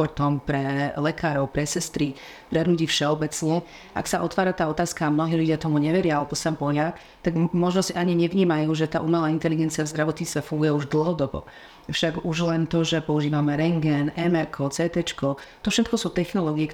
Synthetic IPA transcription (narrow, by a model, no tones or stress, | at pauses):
ɔt̪ɔmpɾɛlɛkaːɾɔʊpɾɛsɛst̪ɾi | pɾɛd̪nucifʃɛɔbɛt͡snu | ʔa̰ksaʔɔt̪ʋaːɾat̪aːɔt̪aːskaamnɔɦiːluɟɪat̪ɔmuɲɛʋɛɾɪaalɛbɔsaampɔɦɪa | t̪aɡmɔʒnɔsiʔaɲiɲɛʋɲiːmajuːʒɛt̪a̰ːʔumalaːint̪ɛliɡɛnt͡siavzd̪ɾaʋɔt̪ɲist͡st̪ʋɛfuŋɡujɛuʒd̪l̩ˠɦɔd̪ɔbɔ̰ | fʃaɡuʒlɛnt̪ɔʒɛpɔuʒiːʋamɛɾɛŋɡɛnɛmɛɾkʰɔt͡sɛːt̪ɛt͡ʃkɔt̪ɔfʃɛt̪kɔsuːt̪ɛxnɔlɔɡiɛk